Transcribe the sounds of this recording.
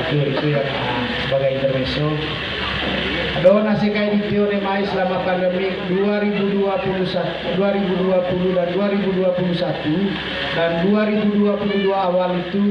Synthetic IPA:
t̪eoit̪ujaŋ̰ | səbaɡajint̪ərvɛsɔ | adɔnasɛkaidit̪eɔnɛmaisəlamapandɛmik̚duaɾibuduapulusat̪ | duaɾibuduapuludanduaɾibuduapulusat̪u | danduaɾibuduapuluduaːwalit̪u

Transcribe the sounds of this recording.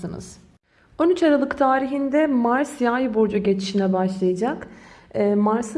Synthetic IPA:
ɯnɯ̰z̥ | o̞nyt͡ʃaɾalˠɯkt̪ʰaːɾiɦind̪ɛmaɾsjajboɾd͡ʒuɟe̞t͡ʃʰi̥ʃinɛbaʃlˠajad͡ʒakː | maɾsɯ

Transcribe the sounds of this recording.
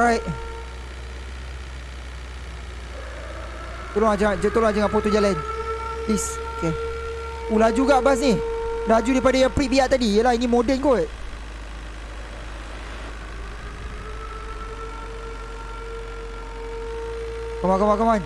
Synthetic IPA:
ɹajt̚ | t̪oloŋad͡ʒaŋad͡ʒt̪oloŋad͡ʒaŋaʔpot̪ud͡ʒalanpisoke | ulad͡ʒuɡaʔbas̬nilad͡ʒudaipadajaŋpɾiʔ̚biaʔt̪adijəlahinimodɛnkoʔ | kamakamakaman

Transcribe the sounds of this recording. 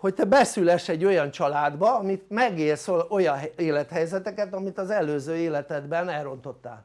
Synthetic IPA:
ho̞ct̪ɛbɛsylɛʃɛɟːo̞jɒnt͡ʃɒlaːd̪bɒɒmit̪mɛɡeːrsoojɒɦeːlɛt̪hɛjzɛt̪ɛkɛt̪ɒmit̪ɒzɛløːzøːeːlɛt̪ɛd̪bɛnɛlro̞nt̪o̞t̪ːa̰ːl

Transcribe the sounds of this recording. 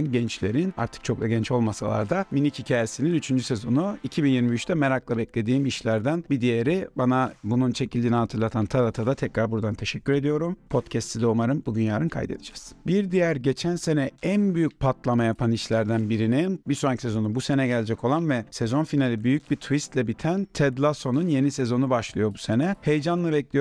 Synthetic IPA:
nɟɛnt͡ʃlʲe̞ɾina̰ɾt̪ʰɯ̥k̚t͡ʃʰo̞klaɟɛnt͡ʃo̞lˠmasalˠa̰ɾd̪aminichicʰaːjesininyt͡ʃʰynd͡ʒysezo̞nuicʰibinjiɾmiyt͡ʃt̪ʰɛmeɾaklˠabɛclʲe̞d̪iːmiʃlʲæɾd̪ænbid̪ijeɾibanabununt͡ʃʰe̞cʰilʲd̪iːniɦat̪ʰɯɾlˠat̪ʰant̪ʰad̪at̪ʰad̪at̪ʰɛcɾaɾbuɾd̪ant̪ʰeʃɛcʲːyɾe̞d̪ijo̞ɾumpʰo̞t̪cʰɛst̪ʰid̪omaɾɯmbud̪ynjaːɾɯnkʰa̰jd̪e̞̰d̪ɯd͡ʒaz̥biɾd̪ijæɾɟe̞t͡ʃʰænse̞nɛænbyjyc̚pʰat̪lˠamajapʰaniʃlʲæɾd̪ænbiɾinimbiso̞acʰi̥sezo̞nubuse̞nɛɟɛlʲd͡ʒɛcʰo̞lˠanvɛsɛzo̞nfinalʲibyjyc̚bit̪ʰvist̪lʲɛbit̪ʰænt̪ʰɛd̪lˠaso̞nunje̞nisezo̞nubaʃlˠɯjo̞buse̞nɛhe̞jd͡ʒanlˠɯbɛclʲij

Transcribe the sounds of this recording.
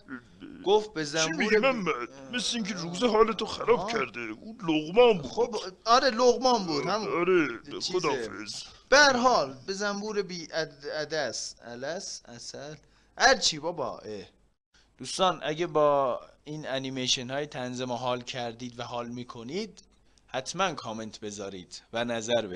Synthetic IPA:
ɡ̥oft̪̚bezæmbiemæmːæd̪mesleiːŋcʰeɾuːzeɦɒːlet̪ʰoxæɾɒːbkʰæɾd̪euloɣmɒːmbuɒɾeloɣmɒːnbuːd̪hæmɑɾeod̪ːfḛzb̥ææɾɦɒːlbezæmbuːɾebiːʔææd̪æsæ̰læsæsæl | hæɾt͡ʃʰiːbɒːbɒ̰ːʔe | d̪̥uːst̪ɑːnʔæɟæbɒːiːnænimeʃenhɒːjet̪ʰænzemoɦɒːlcʰæɾd̪iːd̪væɦɒːlmiːkʰoniːd̪ | hæt̪ʰmænkʰɒːme̞nt̪ʰbe̞zɒːɾiːd̪̥vænæzæɾbe

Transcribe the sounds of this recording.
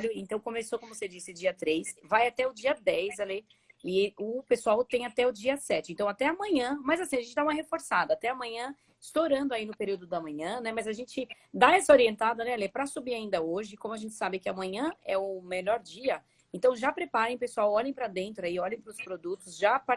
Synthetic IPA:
ʎʊẽnt̪ɐ̃w̃kõmesokõmʊvosed͡ʒisɪd͡ʒiɐt̪ɾejsvajat̪ɛʊd͡ʒiɐd̪ɛjzale | ɪʊpesuawt̪ẽj̃at̪ɛʊd͡ʒiɐsɛt͡ʃɪẽnt̪ɐ̃w̃at̪ɛɐmɐ̃ɲɐ̃mɐzasĩɐʒẽtt͡ʃɪd̪aũmɐɦefoɾsad̪ɐːt̪ɛɐmɐ̃ɲɐ̃ | ɪst̪oɾɐ̃nd̪ʊainʊpeɾiwd̪ʊd̪ɐmɐ̃ɲɐ̃nɛmɐzaʒẽnt͡ʃɪ | d̪aɛsɐoɾiẽnt̪ad̪ɐnɛlepɾɐsubiaĩnd̪ɐoʒɪkõmʊaʒẽnt͡ʃɪ̥sabɪkɪamɐ̃ɲɐ̃ɛʊmeʎɔɾd͡ʒiɐ | ẽnt̪ɐ̃w̃ʒapɾepaɾẽj̃pesuawɔʎẽj̃pɾɐd̪ẽnt̪ɾʊaiɔʎẽj̃pɾʊspɾod̪ut̪ʊzʒapa

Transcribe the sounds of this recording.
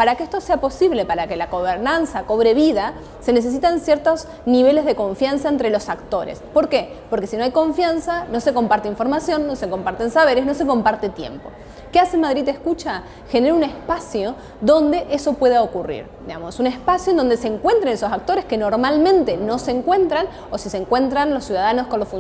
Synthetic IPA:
paɾakeehst̪o̞se̞apo̞siβle̞paɾake̞laɣo̞βeɾnansako̞β̞ɾe̞βiða | se̞nes̬e̞s̬it̪ansjeɾt̪o̞s | niβ̞e̞le̞zðeko̞ɱfjansaent̪ɾe̞lo̞sakt̪o̞ɾḛspo̞ɾke̞po̞ɾkesino̞ajko̞ɱfjansano̞se̞ko̞mpaɾt̪eiɱfo̞ɾmasjo̞nːo̞seko̞mpaɾt̪ensaβeɾesno̞se̞ko̞mpaɾt̪et̪jḛmpo̞ | keasemað̞ɾid̪ehkut͡ʃa | xeneɾaune̞spasjo̞ | ðo̞nd̪e̞ʔeso̞pwe̞ðaokurḭɾd̪iamosune̞spasjond̪o̞nd̪eseːŋkwe̞nt̪ɾenesosak̚t̪o̞ɾeskeno̞ɾmalmẽ̞nt̪e̞no̞seːŋkwe̞nt̪ɾan | osiseŋkwe̞nt̪ɾanlosːjuðaðano̞sko̞nlosfun

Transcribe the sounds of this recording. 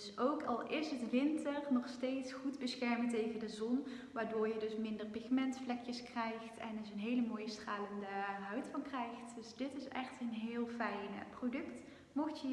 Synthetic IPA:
dsowkʰɑ̰lˠɪsɦətʋɪntərnɔxsteːjtsχudbəsxɛɹməntejvəndəzɔn | ʋaːɹdoːɹjədɵsmɪndərpɪxmɛntflɛkjəskrɛjxtɛnɪsənɦejləmoːjəstraːləndəɦœɥtfɑnkrɛjxtd̥ɵsdɪtɪsɛxtənɦɪːlˠfɛjnprodɵkt | moxtjə

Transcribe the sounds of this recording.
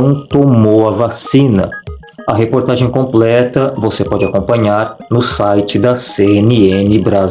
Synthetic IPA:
w̃t̪omowɐvasĩnɐ̰ | ɐɦepoɾt̪aʒẽj̃kõmplɛt̪ɐvosepɔd͡ʒɪakõmpɐ̃ɲaɾnʊsajt͡ʃɪd̪ɐseenɪenɪbɾa

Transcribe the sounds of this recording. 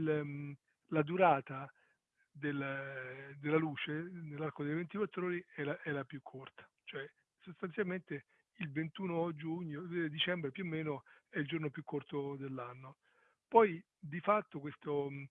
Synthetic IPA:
l | lad̪uɾaːt̪a | d̪el | d̪elːaluːt͡ʃenelːarkod̪ejvent̪ikwat̪ːɾoːɾiɛlaʔɛlapjukʰːort̪ḁt͡ʃoɛ | sost̪ant̪sjalment̪e | ilvent̪uːnod͡ʒuɲːod̪it͡ʃɛmbɾepjuomːeːnoɛild͡ʒornopjukʰːort̪od̪elːanːo | pɔj | d̪ifat̪ːokwest̪o

